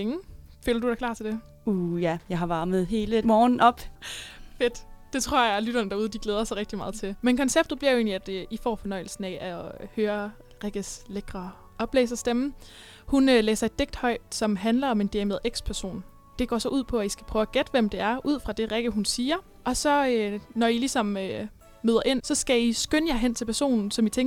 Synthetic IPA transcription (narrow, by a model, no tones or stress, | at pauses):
eŋ̩fø̰ːlɐdud̥ɑ̈kʰlɑ̈ːt͡sʰe̝ld̥e̝ | ujæjɑ̈ɪɦɑ̈ʋɑ̈ːməð̩ˠɦe̝ːləmɒːn̩ɒ̽b̥ | fe̝d̥d̥e̝t͡sʰʁo̝ɐ̰jɑlyɾ̥ɐnəd̥ɑ̈uð̞ˠəd̥iɡ̥leːð̞ˠɐsɑʁeɡ̥d̥imɑ̈ːð̞̩ˠt͡sʰe̝lmenkʰɒ̽nseb̥d̥ð̩ˠb̥liɐjoe̝̰ːnliæd̥ifɒ̰ːfɒnɒ̽ɪ̰l̩sn̩æʔæhøːɐ | ʁeɡ̥əsleɡ̥ʁɐ | ɒ̽b̥lḛːsɐsd̥emn̩ | hunølḛːsɐe̝d̥ːe̝ɡ̥̚d̥hɒ̽ɪ̰̥sɒ̽mɦænlɐɒ̽me̝nd̥eɐme̝ð̩ˠeɡ̥spʰæɐso̝̰ːn | d̥e̝ɡ̥ɒ̰ːsɒ̽ʔuð̞̰ˠpʰɒ̽æisɡ̥æ̥pʰʁ̥œːʊæɡ̥ed̥ʋemd̥e̝æɐʔuð̞̰ˠfʁɑ̈d̥e̝ʁeɡ̥əɦunsiːɐ | ʔɒ̽sɒ̽ønɒilisɒ̽mø | møːðˠɐʔe̝n̰sɒ̽sɡ̥æisɡ̥ønjɑ̈ɪɦen̰t͡sʰe̝lpʰæɐso̝̰ːnn̩sɒ̽mit͡sʰeŋ